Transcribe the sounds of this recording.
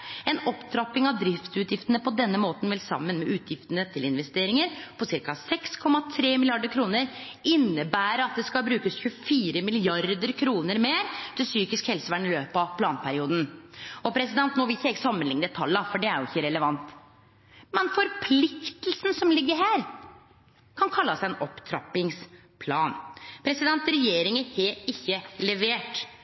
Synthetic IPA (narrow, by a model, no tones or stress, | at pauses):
ɛnɔpd̪ɾɑpːɪŋɑʋd̪ɾɪft̪sʉːt̪jɪft̪ənəpʰɔd̪ɛnːəmoːt̪n̩ʋɛlsɑ̰mːənmɛʔʉːt̪ʰjɪft̪ənət̪ʰɪlɪnʋɛst̪eːɾɪŋəɾpʰɔsɪɾkɑsɛkskʰɔmːɑt̪ʰɾeːmɪlɪjɑɖəɾkʰɾuːnəɾ | ɪnːəbæːɾəɑt̪̚d̪ɛskɑlbɾʉːkəsçʉfiːɾəmɪlɪɑɾd̪əɾkʰɾuːnəɾmeːɾt̪ʰɪlsyːkɪskhɛlsəʋæɳɪløːpɑʋpʰlɑːnpʰæɾɪuːd̪n̩ɔpʰɾɛsɪd̪ɛnt̪noːʋɪlɪçːɛɡəsɑmːənlɪŋnəət̪ʰɑldɑfɔɖɛæɾjʊɪçːəɾɛləʋɑnt̪ | mɛnfɔɾpʰlɪkt̪lsn̩sɔmlɪɡːəɾɦæːɾ | kʰɑnkʰɑlːɑsæɛnɔpt̪ʰɾɑ̰pːɪŋs | pʰlɑːnpʰɾɛsɪd̪ɛnt̪ɾɛjeːɾɪŋəheːɪçːəlɛʋeːʈ